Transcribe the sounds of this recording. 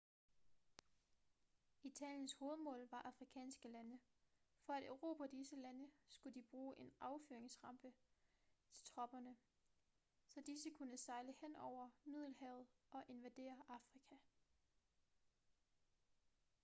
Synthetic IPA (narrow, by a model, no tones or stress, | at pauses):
it͡sʰɛ̰ːljənsho̝ːð̞̩ˠmɔ̰̽ːlʋɑ̈ʔɑ̈fʁikʰɛ̰ːnsɡ̥əlænə | fɒ̽æɾ̥øʊʁo̝̰ːpʰæd̥isəlænəsɡ̥ud̥ib̥ʁuːʔe̝nɑ̈ʊfyɐeŋsʁɑ̈mb̥ə | t͡sʰe̝lt͡sʰʁɒ̽b̥ɐnə | sɒ̽d̥isəkʰunəsɑ̈ɪləhen̰ɒʊ̰ɐmið̞̰ˠl̩hɛʊð̩ˠʔɒ̽ʔe̝nʋæd̥e̝̰ːɐʔɑ̈fʁikʰæ